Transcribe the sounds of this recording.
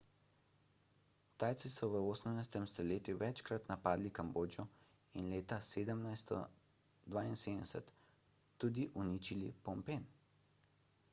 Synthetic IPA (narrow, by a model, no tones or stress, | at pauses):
t̪aːjt̪sisɔʋəoːsəmnajst̪ɛmst̪ɔleːt̪juʋɛt͡ʃkɾat̪napaːd̪likamboːd͡ʒjɔ | inleːt̪aseːd̪əmnajst̪ɔ̰ | d̪ʋaːinseːd̪ɛsɛt̪ː | uːd̪iʔunit͡ʃilḭpɔmpen